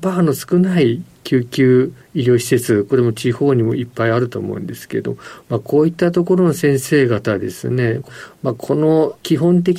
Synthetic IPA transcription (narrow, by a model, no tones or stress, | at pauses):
mano̞sɨ̥kɯ̟naikʲɨːkʲɨː | iɾʲjo̞ːɕi̥se̞t͡sɨko̞ɾe̞mo̞t͡ɕiho̞ːɲ̟imo̞̰ʔipːaiaɾɯ̟t̪o̞̰ːmo̞̰ɯ̟̃nd̪e̞sɨ̥ke̞ɾed̪o̰momakʰo̞ːit̪ːat̪o̞ko̞ɾo̞no̞sẽ̞ɰ̃se̞ːɡat̪ad̪e̞sɨ̰ne̞makʰo̞no̞kʲiɦõ̞nt̪̬e̞kʲ